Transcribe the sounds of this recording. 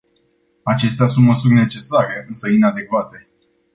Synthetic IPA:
at͡ʃe̞st̪easunt̪məsurʲne̞t͡ʃe̞saɾe̞ɨnsəinad̪e̞kvat̪e̞

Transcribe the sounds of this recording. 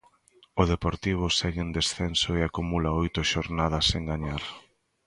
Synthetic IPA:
ʊðepoɾt̪iβ̞ʊsɛɣɪend̪esθensoeakumulaojt̪ʊʃoɾnaðɐseŋɡaɲaɾ

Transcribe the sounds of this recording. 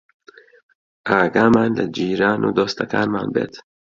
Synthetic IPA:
aɡamanlad͡ʒiːɾaːnʔud̪ɔst̪aka̰nmaːnbḛt̪

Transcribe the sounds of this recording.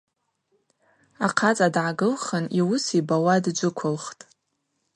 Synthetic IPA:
aqʰat͡sʼadʕaɡɨlχəniwʊsibawadd͡ʒʷɨkʷʰʊlχtʼ

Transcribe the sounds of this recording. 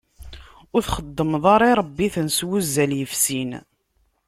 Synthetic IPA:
ʊɾθχəd̪ˤːəmðˤɑɾˤiɾˤəbːiθənswuzːæljəfsin

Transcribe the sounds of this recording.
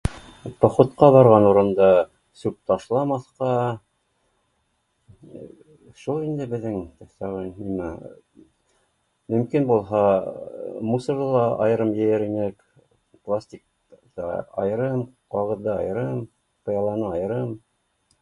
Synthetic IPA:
pɑχŏt̪qɑβɑɾʁɑnuɾɤ̆nd̪ɑ | sʉp̚t̪ɑʃlˠɑmɑθqɑ | ʃulˠind̪ɘbɘ̆ðːɘŋsɑʁɤnnimæ | mɵ̆mkinbulˠɦɑ | musɤ̆ɾðɤlˠɑɑ̰jɤ̆ɾɤmjɘ̆jɘɾinɘk | plˠasʲt̪ʲik̚ | t̪ɑ̰ɑ̰jɤ̆ɾɤmqɑʁɤ̆ðːɑɑ̰jɤ̆ɾɤm | pɤ̆jɑlˠɑnɤɑjɤ̆ɾɤm

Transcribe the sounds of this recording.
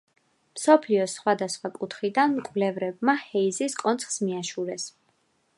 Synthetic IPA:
msɔpʰliɔsχwad̪asχwakʼut̪ʰχid̪anmkʼvlɛvɾɛb̚mahɛiziskʼɔnt̪sʰχsmiaʃuɾɛs

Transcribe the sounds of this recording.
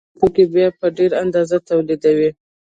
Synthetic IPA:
pokebjɑpəɖeɾand̪ɑzat̪awlid̪awi

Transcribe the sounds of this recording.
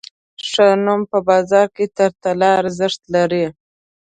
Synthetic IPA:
ʂənumpəbɑzɑɾket̪aɾt̪alɑɾazɪʂt̪laɾi

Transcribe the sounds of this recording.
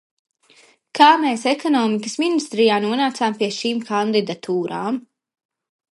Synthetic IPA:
kʰaːmeːsɛkɔnɔːmikəsminist̪ɾijaːnuɔnaːt̪saːmpiɛʃiːmkʰand̪id̪at̪ʰuːɾaːm

